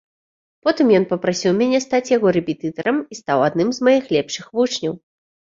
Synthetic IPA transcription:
pɔt̪ɨmjɔnpɐpɾasʲiwmʲanʲɛst̪at͡sʲjaɣɔɾɛpʲɛt̪ɨt̪ɐɾɐmist̪awad̪nɨmzmajixlʲɛpʂɨxvut͡ʂnʲɐw

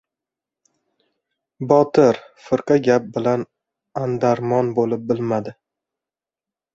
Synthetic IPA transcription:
bɒt̪ɪɾfɪɾqɑɡʲap̚bɪlan | and̪aɾmɒnbolɪp̚bɪlmad̪ɪ

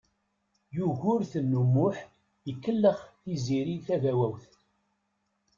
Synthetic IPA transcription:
juʝʊɾθənːumːʊħ | jəkːəlːəχθiziɾiθævæwæwθ

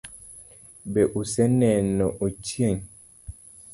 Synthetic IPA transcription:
bɛʔusɛnɛnɔʔot͡ʃeŋ

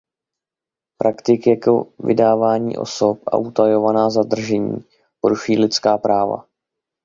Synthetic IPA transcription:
pɾʔakt̪ɪkjɛkovɪ̰daːvaːɲḭːʔo̞̰so̞pʔa̰ʔut̪ajovanaːzad̪r̩ʒɛɲḭː | poɾuʃujiːlɪt̪t͡skaːpɾaːva̰

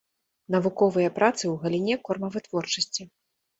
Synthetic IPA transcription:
nɐvukɔvɨjɐpɾat̪sɨwɣɐlʲinʲɛkɔrmɐvɨt̪vɔrt͡ʂɐsʲt͡sʲi

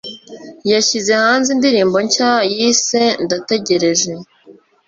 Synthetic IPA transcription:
jaçize̞haːnzindiɾiːmbo̞ɲcajise̞ndate̞ɟe̞ɾe̞ʒe

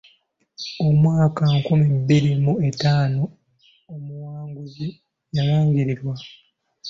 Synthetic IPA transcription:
omwaːkaŋkumibiɾimue̞taːno̞ | omuwaːŋɡuzi | jaɾaːɲɟiɾiɾwa

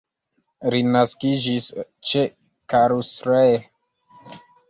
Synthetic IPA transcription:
ɾinaskid͡ʒist͡ʃe | kaɾusɾe

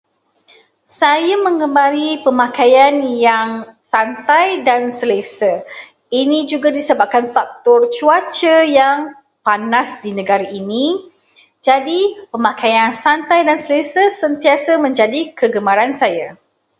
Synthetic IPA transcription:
sajamə̃ŋɡəmbaɾipəmãkajanjaŋsant̪ajdansəlesə | inĩd͡ʒuɡadisəbap̚kanfak̚t̪ɔrt͡ʃuat͡ʃəjaŋ | panasdinə̃ɡaɾaʔini | d͡ʒadipəmakajansant̪ajdansəlesəsənt̪iasamə̃ɲd͡ʒadikəɡəmaɾansaja

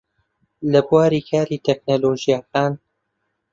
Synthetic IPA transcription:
lɐbuwaːɾiːkʰaːɾiːt̪ʰek̚noloːʒijakaːn

